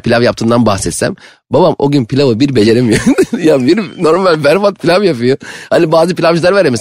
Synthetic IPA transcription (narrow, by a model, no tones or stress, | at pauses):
pʰilʲavjapt̪ʰɯːnd̪anbaxsɛt̪sæ̰m | babamoɟynpʰilʲavɯbiɾbed͡ʒeɾimjad̪jabiɾno̞ɾmalʲbæɾfat̪̚pʰilʲavjap̬ɯjohanibaːzɯpilʲavd͡ʒɯlˠaɾvaɾemis